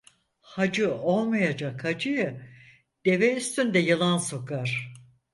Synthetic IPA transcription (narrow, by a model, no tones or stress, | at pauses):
had͡ʒɯo̞lˠmajad͡ʒakhad͡ʒɯjɯ | d̪̥e̞vɛyst̪ʰynd̪ɛjɯlˠanso̞kaɾ̥